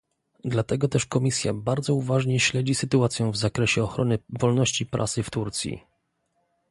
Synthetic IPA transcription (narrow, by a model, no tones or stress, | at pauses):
d̪lat̪ɛɡɔt̪ɛʂkɔmʲisʲja̰baɾd̪zɔuvaʐɲɛɕlɛd͡ʑisɘt̪uat̪sʲjɛ̃w̃vzakɾɛɕɛɔxɾɔnɘvɔlnɔɕt͡ɕipɾʔa̰sɘft̪uɾt̪sʲjḭ